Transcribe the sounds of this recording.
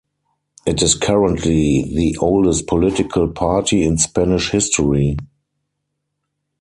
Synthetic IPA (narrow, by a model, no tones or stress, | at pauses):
ʔɪtɪskʰaɹə̃ntʰliðiʔoʊldɛst̚pʰɔlɪtɪkʰəlpʰaːtʰiɪ̃nspænɪʃhɪstʰɔɹi